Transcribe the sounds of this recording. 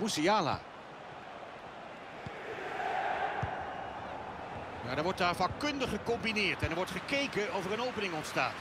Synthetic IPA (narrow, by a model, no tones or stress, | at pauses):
usijaːla̰ː | jaːdəɹʋɔɹt̚daːɹvakkɵndəχəkɔmbinɪːɹtɛnəɹʋɔɹtχəkejkənɔfəɹənowpənɪŋɔntsta̰ːt